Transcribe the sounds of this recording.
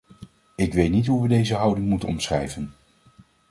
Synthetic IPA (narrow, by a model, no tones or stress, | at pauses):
ɪkʋejtnitɦuʋədejzəɦɑwdɪŋmutənɔmsrɛ̰jvən